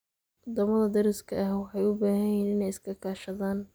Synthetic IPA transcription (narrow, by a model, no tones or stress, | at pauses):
wɔd̪ɐmɐðɐd̪ɐɾɪskʰɐʔɐɦwɑħɑjʊbaːɦɐjiːnɪnɛjɪskʰɐkʰaːʃɐðaːn